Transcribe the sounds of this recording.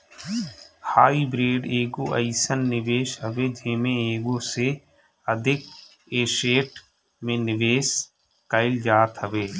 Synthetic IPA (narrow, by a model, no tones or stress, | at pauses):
haːibɾeːɖeːɡoʔə̰ɪsənːɪʋeːʃɦəʋed͡ʒeːmẽeːɡoːse | əd̪ʱɪk̚ | eːʃeːʈ | mẽnɪʋeːs | kəɪld͡ʒaːt̪ɦəʋeː